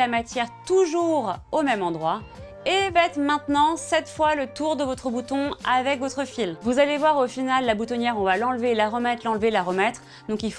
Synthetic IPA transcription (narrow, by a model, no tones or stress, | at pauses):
amat̪jɛʁt̪uʒuʁomɛmɑ̃d̪ʁwa | evɛɛt̪χmɛ̃t̪nɑ̃sɛt̪fwalət̪uʁd̪əvɔt̪χəbut̪ɔ̃avɛkvɔt̪χəfilvuzalevwaʁofinalːabut̪ɔnjɛʁɔ̃valɑ̃lvelaʁəmɛt̪χlɑ̃lvelaʁəmɛt̪χ | d̪ɔ̃kilf